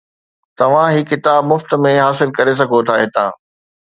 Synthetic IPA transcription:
t̪ɐʋ̤ãɦikɪt̪aːbmʊft̪̆mẽɦaːsɪlkɐɾes̬ɐɡʱot̪ʰaːɦɪt̪ã̰ː

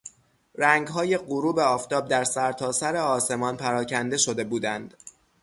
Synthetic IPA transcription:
ɾæŋɡɦɒːje̞ɢuɾuːbe̞ɒːft̪ɒːb̚d̪æɾsæɾt̪ʰɒːsæɾe̞ɒːse̞mɒːnpʰæɾɒːcʰænd̪e̞ʃo̞d̪e̞buːd̪ænd̪̥

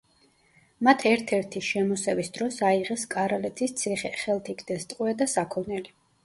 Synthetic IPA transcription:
mat̪ʰɛɾt̪ʰɛɾt̪ʰiʃɛmɔsɛvisd̪ɾɔsaiʁɛskʼaɾalɛt̪ʰist̪sʰiχɛχɛlˠt̪ʰikd̪ɛst̪ʼqʼwɛd̪asakʰɔnɛli

